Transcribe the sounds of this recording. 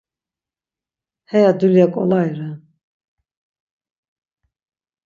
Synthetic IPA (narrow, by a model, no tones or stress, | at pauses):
hɛjad̪uljakʼɔ̰lajɾa